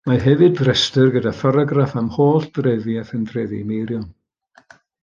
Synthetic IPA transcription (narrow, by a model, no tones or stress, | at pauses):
maɦɛvɨdrɛstɨrɡədafɔɾɔɡrafamhoːɬd̥rɛðjaθəndrɛðimejɾjɔn